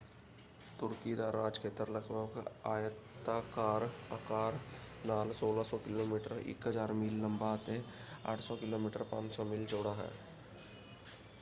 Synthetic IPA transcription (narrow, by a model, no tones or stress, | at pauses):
t̪ʊɾkid̪aɾaːd͡ʒkʰeːt̪əɾləɡbəkaːjət̪ːakaːɾa̰kaːɾnaːlsoːlasɔkɪloːmiːʈəɾɪ̰kɦəd͡ʒaːɾmɪlːə̃mbʱaːt̪ea̰ːʈʰsɔkɪloːmiːʈəɾpã̰ːnt͡ʃsɔmɪlt͡ʃoːɽaɦɛ̰̃ː